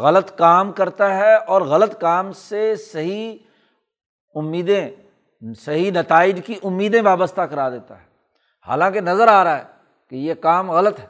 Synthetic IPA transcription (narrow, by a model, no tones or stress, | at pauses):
ɣɐlət̪kaːmkɐɾt̪aɦɛɔːɾɣɐlət̪kaːmsesɐɦi | ʊmːiːd̪ẽ | sɐɦinɐt̪aːɪd͡ʒkiʔʊmːiːd̪ẽʋaːbəst̪ʰakɐɾad̪eːt̪a̰ɦɛ | ha̰ːlãːkenɐzəɾaːɾaɦɛ | kejekaːmɣɐlət̪ɦɛ